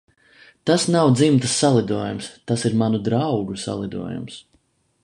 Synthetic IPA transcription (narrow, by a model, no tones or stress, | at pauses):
t̪asnawd̪zimt̪əsːalˠid̪uɔjumst̪asiɾmanud̪ɾawɡusa̰lˠid̪ṵɔjṵms